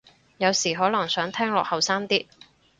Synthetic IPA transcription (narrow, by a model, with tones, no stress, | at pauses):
jɐ˨˧wsiː˨˩ɦɔː˨˥lɐ˨˩ŋsœː˨˥ŋt̪ʰɛː˥ŋlɔː˨k̚hɐ˨wsaː˥mt̪iː˥